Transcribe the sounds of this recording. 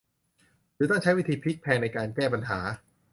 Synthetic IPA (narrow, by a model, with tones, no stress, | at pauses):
dɯː˨˧˦t̪ɔ˥ŋt͡ɕʰa˦˥jwi˦˥t̪ʰiː˧pʰi˦˥k̚pʰɛː˧ŋna˧jkaː˧nkɛː˥˩p̬a˧nɦaː˩˦